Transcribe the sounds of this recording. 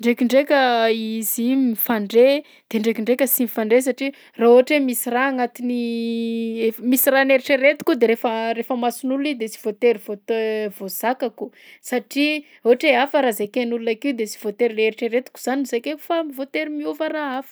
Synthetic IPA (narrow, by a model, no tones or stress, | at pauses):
ɳɖ͡ʐekiɳɖ͡ʐekʲəizimifaɳɖ͡ʐe | d̪̥eɳɖ͡ʐekiɳɖ͡ʐekʲəsimifaɳɖ͡ʐes̬aʈ͡ʂi | raoaʈ͡ʂemisiɾaŋat̪ini | efmisiraneɾiʈ͡ʂeɾet̪u̥kʲud̪eɾefəɾefəmasunulid̪et͡si̥v̥ot̪eɾivot̪evoz̥akaku | saʈ͡ʂi | oaʈ͡ʂeafəɾazekenulunakiwd̪esi̥v̥ot̪eɾileɾiʈ͡ʂeɾet̪u̥kʲu̥z̥anuzejkeku̥famivot̪eɾimiuvəraafə̥